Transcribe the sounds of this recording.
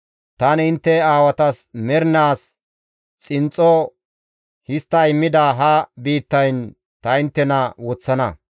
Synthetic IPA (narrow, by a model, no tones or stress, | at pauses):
t̪ɐnɪnt̪ːɛaːwɐt̪ɐsmɛɾnaːs | t͡sʼɪnt͡sʼːɔ | hɪst̪ːɐjɪmːɪd̪aːɦɐbiːt̪ːɐjn | t̪ɐɪnt̪ːɛnɐwɔt͡sːɐnɐ